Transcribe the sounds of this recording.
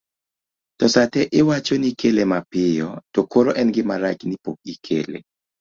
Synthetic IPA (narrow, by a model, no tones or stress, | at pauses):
tɔsatɛʔɪwat͡ʃonikelemapɪjɔtokoɾoʔɛnɡɪmaɾaknipok̚ikʰḛlḛ